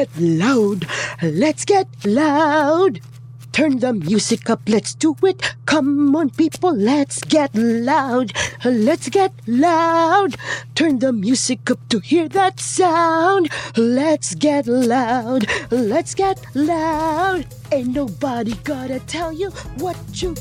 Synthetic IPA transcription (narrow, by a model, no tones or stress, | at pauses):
ɛtlaʊdlɨtsɡ̥ɛt̚laʊʊd̚ | tʰɜ̃˞nðəmjʉzɨkʌplɨtsd̥əɪt̚kʰʌ̃mə̃npipl̩ˠlɨtsɡ̥ɛtlaʊd̚lɨtsɡ̥ɛt̚laʊd̚tʰɜ̃˞nðəmjʉzɨkʌp̚tʰɨhiɹðɨtsaʊʊ̃ndlɨtsɡ̥ɛtlaʊdlɨtsɡ̥ɛt̚laʊʊd | ɨ̃nːoʊbəɾiɡɑɾɨtʰɛlˠjɨwʌt͡ʃɨ